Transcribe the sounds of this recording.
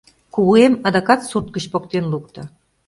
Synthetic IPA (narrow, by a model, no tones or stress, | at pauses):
kuβuemɑd̪ɑkɑt̪surt̪̚kə̆t͡ɕpok̚t̪enluk̚t̪ɤ̆